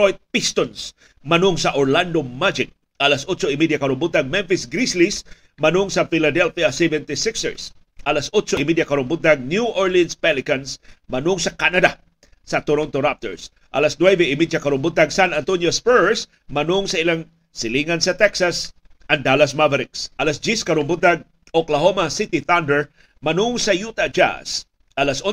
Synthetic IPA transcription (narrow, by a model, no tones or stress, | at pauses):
ojt̪̚pist̪ons | mɐnʊŋsɐʔoɹland̪omad͡ʒɪk̚ | ʔɐlasʔot͡ʃoɪmid̪jakɐɾʊmbʊt̪aŋmɛnfɪsɡɾislis | mɐnʊŋsɐfɪlad̪ɛlfiasɛvɛnt̪ɪsɪksɛɹs | ʔɐlasʔot͡ʃoɪmid̪jakɐɾʊmbʊt̪̚aŋnjuʔɔɹlianspɛlɪkansmɐnʊŋsɐkanɐd̪a | sɐt̪oɾont̪oɾap̚t̪ɛ̰ɹs | ʔɐ̰lasnwɛvɛɪmidjakɐɾʊmbʊd̪aɡsanant̪onjospɛɹs | mɐnʊŋsɐɪlaŋ | sɪliŋansɐt̪ɛksasand̪alasmavaɾɪksʔɐlasd͡ʒiskɐɾombʊd̪aɡ̚ | oklaɦomasɪt̪iθand̪ɛɹ | mɐnʊŋsɐjut̪ad͡ʒa̰s | ʔɐlasʔo